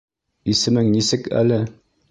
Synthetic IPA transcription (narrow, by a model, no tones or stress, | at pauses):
isɘ̆mɘŋnisɘkæ̰lɘ